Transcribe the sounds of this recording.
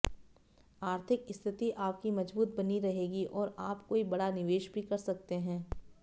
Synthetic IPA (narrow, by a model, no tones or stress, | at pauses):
aːɾt̪ʰɪkɪst̪ʰɪt̪iʔaːp̚kimɐd͡ʒbuːt̪̚bɐniɾɐɦeːɡiʔɔːɾaːpkoːibɐɽanɪʋeːʃbʱikɐɾsɐk̚t̪eɦɛ̃ː